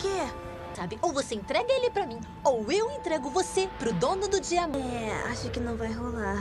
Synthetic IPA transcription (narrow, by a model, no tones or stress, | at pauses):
ke | sabɪʔowvoseẽnt̪ɾɛɡɐelɪpɾɐmĩ | owewẽt̪ɾɛɡʊvosepɾʊd̪õnʊd̪ʊd͡ʒiɐɛa̰ʃʊkɪnɐ̃w̃vajɦola